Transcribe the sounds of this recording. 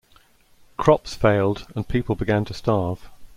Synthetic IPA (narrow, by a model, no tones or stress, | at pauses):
kʰɹ̥ɒpsfeɪlˠdə̃npʰiˑpəlˠbɪɡãntʰəstɑːv̥